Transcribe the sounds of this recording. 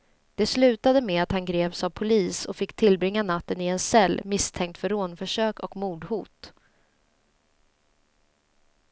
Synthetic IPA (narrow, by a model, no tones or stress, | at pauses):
d̪̥ɛslʉ̟ːt̪ad̪əmɛat̪hanɡɾeːvsavpʰʊliːsɔfɪkːt̪ʰɪlbɾɪŋːanat̪ːənɪɛnsɛlːmɪst̪ʰɛŋk̚t̪fœɾoːnfœʂøːkɔkmuːd̪hṵːt̪